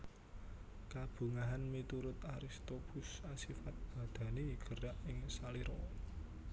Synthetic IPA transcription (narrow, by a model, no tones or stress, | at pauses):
kab̥ṳŋaɦanmit̪uɾʊt̪aɾist̪opʊsasifat̪̚b̥ä̤d̪̥ä̤neɡ̥ə̤ɾaʔɪŋsaliɾɔ